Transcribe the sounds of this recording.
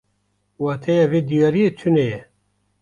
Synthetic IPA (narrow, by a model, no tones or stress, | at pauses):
wɑːt̪ʰɛjaveːd̪ijaːɾijet͡ʃʰunɛjɛ